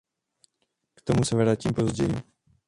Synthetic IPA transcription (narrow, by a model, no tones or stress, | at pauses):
kt̪omusɛvɾaːcimpo̞zɟɛ̰jḭ